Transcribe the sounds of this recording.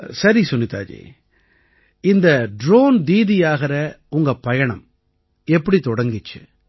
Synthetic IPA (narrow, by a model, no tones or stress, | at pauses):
sɐɾisɔnːɪt̪a̰ːd͡ʒḭ | ɪnd̪ɐɖɾoːnd̪iːðɪjaːɣɪɾɐ | ʊŋɡɐpɐjɐɳɐm | ɛpːɐɽit̪ɔɽɐŋɡɪt͡ʃːɯ̰